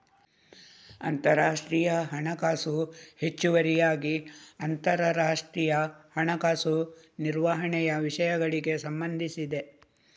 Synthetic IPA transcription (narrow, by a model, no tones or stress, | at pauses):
ɐnt̪ɐɾaːʂʈɾiːjɐɦɐɳɐkaːsuhe̞t͡ʃːuʋɐɾijaːɡiɐnt̪ɐɾɐɾaːʂʈɾijɐhɐɳɐkaːsu | niɾʋaɦɐɳɛjɐʋiʂɐjɐɡɐɭiɡe̞sɐmbɐnd̪ʱisid̪e̞